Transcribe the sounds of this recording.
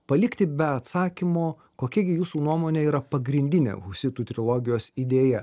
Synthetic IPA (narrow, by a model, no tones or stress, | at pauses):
pɐlʲɪkt̪ʲɪbʲɛɐt̪sɑːkʲimoː | koːkʲɛɡʲɪjuːsuːnuɔmoːnʲeːiːɾɐpɐɡɾʲɪnʲd̪ʲɪnʲḛʊʃsʲɪt̪ut̪ʲɾʲɪlˠoːɡʲɪjoːsid̪ʲeːjɛ